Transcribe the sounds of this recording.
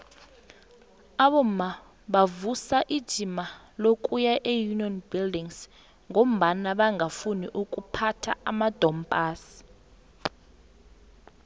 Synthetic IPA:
aɓɔm̩ma | ɓavusaʔid̥ʒ̥ʱima | lokʼujaʔejuniɔnbildiŋs | ŋom̩ɓanaɓaŋafuniʔukʼupʰatʰaamad̥ʱɔmpʼaːsi̥

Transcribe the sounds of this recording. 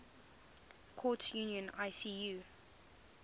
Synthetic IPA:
kʰɔtʰjuːniə̃naɪsiju

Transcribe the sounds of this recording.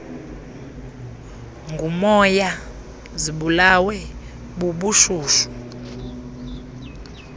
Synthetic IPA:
ŋɡʱumɔja | ziɓulawɛ | ɓuɓuʃuːʃu̥

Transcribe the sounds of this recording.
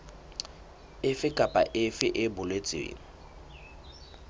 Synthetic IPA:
ɪfɪkʼapʼaʔɪfɪʔɪbʊlwet͡sʼɪ̰ːŋ̩

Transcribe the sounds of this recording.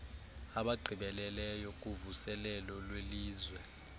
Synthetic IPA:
aɓaɡ͡ǃʱiɓɛlɛlɛjɔk̬ʼuvusɛlɛlɔlweliːzwɛ

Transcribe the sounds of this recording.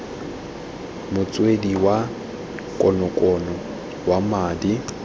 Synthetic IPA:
mʊt͡sʼwediwa | kʼɔnɔkʼɔnɔ | wamaːdi

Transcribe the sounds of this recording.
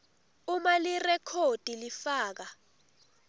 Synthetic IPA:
umalirɛkʰod̥ʱilifaːk̬a

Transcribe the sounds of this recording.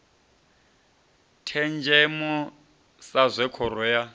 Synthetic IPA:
tʰɛnd͡ʒʱɛmɔ | sazʷɛkʰɔɾɔja

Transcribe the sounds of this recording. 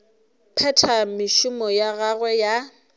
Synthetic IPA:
pʰɛtʰamɪʃʊmɔjaɣaɣwɛja

